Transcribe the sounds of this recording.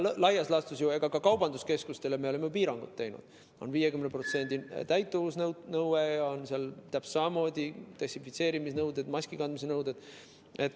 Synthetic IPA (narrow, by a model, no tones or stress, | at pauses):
lɑjɑslɑst̪usjueɡ̥ɑkɑkɑwbɑnd̪̥uske̞skust̪e̞leme̞olemejup̬iːɾɑŋɡ̥ut̪ːejnṵd̪̥ | o̞̰nviːjekymnepro̞t̪se̞nʲd̪̥ʲit̪æjt̪ːˑovusnnɤwwejɑo̞nseɑlt̪æpssɑmɑmo̞ːd̪̥ʲit̪esifit̪se̞ːɾimisnɤwd̪e̞d̪mɑsʲkikɑnd̪mis̬enɤwd̪̥e̞d̪̥ | e̞t̪ːˑ